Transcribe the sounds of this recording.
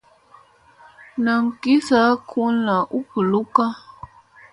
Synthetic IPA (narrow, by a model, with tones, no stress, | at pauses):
nə˨ŋ̩˨ki˦sa˦kʰu˦nla˨ʔu˦pə˨lu˦ka˦